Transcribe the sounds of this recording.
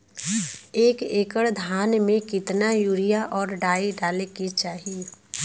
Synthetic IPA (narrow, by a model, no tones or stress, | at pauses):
eːkeːkəɽd̪ʱaːnmẽkɪt̪najuːɾijaʔɔːɾɖaːiɖaːlekit͡ʃaːɦie